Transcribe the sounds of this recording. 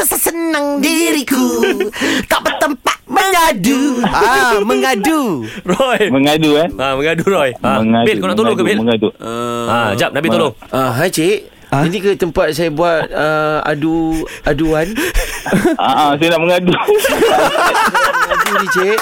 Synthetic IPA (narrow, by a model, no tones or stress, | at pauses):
əsasənaŋdiɾiku | t̪aʔbət̪əmpat̪̚məŋɲaduaməŋadurɔjməŋaduaaməŋadurɔjaməŋabɪkonaʔt̪olokəbeəŋaduaad͡ʒap̚nabioloaɦajt͡ʃeʔ | inikət̪əmpat̪̚sajabuat̪̚əa̰duaduan | aʔas̬ajanaʔməŋadu | dudit͡ʃeʔ